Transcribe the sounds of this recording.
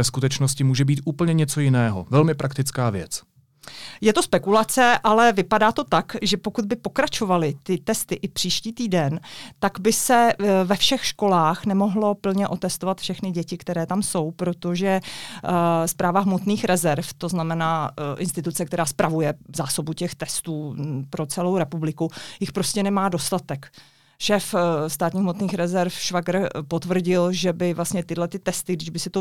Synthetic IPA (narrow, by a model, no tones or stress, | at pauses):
ɛskut̪ɛt͡ʃnoscɪmuːʒɛbiːt̪ʔuːpl̩ɲɛɲɛt͡so̞jɪnɛːɦo̰vɛlmɪpɾʔakt̪ɪt͡skaːvjɛ̰t͡s | jɛt̪ospɛkulat͡sɛʔalɛvɪpadaːt̪o̞t̪akʒɛpokud̪̚bɪpo̞kɾat͡ʃo̞valɪt̪ɪt̪ɛst̪ɪʔɪpr̥iːʃciːt̪iːdɛnt̪aɡbɪsɛvɛfʃɛxʃko̞laːxnɛmo̞ɦlo̞pl̩ɲɛʔo̞t̪ɛst̪ovat̪fʃɛxnɪɟɛcɪkt̪ɛɾɛːt̪amso̞wpɾo̞t̪o̞ʒɛ | spɾaːvaɦmot̪niːxɾɛzɛɾft̪o̞znamɛnaːʔɪnst̪ɪt̪ut͡sɛkt̪ɛɾaːspɾʔavujɛzaːso̞bucɛxt̪ɛst̪uːpɾo̞t͡sɛlo̞wɾɛpublɪkujɪxpɾo̞scɛnɛmaːdo̞st̪at̪ɛk | ʃɛːfst̪aːt̪ɲiɦmot̪niːxɾɛzɛɾfʃvaɡɾpot̪vr̩ɟɪlʒɛbɪvlast̪ɲɛt̪ɪdlɛt̪ɪt̪ɛst̪ɪɡdɪʒbɪsɪt̪o